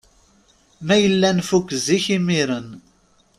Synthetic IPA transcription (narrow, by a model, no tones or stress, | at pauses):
mæjəlːænfukːziçimiɾən